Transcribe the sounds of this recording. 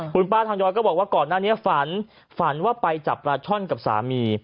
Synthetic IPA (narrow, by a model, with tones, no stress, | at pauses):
kʰu˧npaː˥˩t̪ʰa˧ŋjɔː˧jkɔ˥˩bɔː˨˩k̚waː˥˩kɔː˨˩nːaː˥˩ni˦˥ɐfa˩˦n | fa˩˦nwaː˥˩pa˧jt͡ɕa˨˩p̚ɾaː˧t͡ɕʰɔ˥˩nka˨˩p̚sa̰ː˩˦miː˧